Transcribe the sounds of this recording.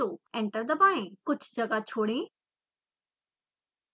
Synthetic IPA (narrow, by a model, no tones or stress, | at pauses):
oːɛ̃ɳʈəɾd̪əbãːẽkʊd͡ʑʱd͡ʑɐɡat͡ɕʰoːɽẽː